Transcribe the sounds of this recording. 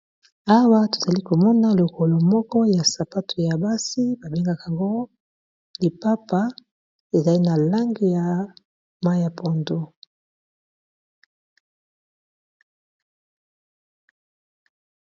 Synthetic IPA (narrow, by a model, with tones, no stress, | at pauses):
a˦wa˦to˨za˨li˦ko˨mɔ˦na˦lo˨ko˨lo˨mɔ˦kɔ˦ja˨sa˨pa˦tʰo˨ja˨ba˦si˦ba˨be˦ŋɡa˦ka˨ŋɡo˦ | li˨pa˦pa˦ | e˨za˨li˦na˨la˦ŋɡi˦ja˨ | ma˦ja˨po˨ndo˦